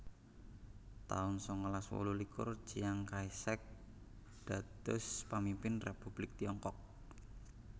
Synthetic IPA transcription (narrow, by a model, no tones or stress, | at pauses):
t̪aʊnsɔŋəlaswo̰lulikʊ̰r̥ʒ̥ijaŋkaisɛk̚ | d̪̥a̤d̪ʊspamimpɪnrepub̥lɪk̚t̪iɔŋkɔk̚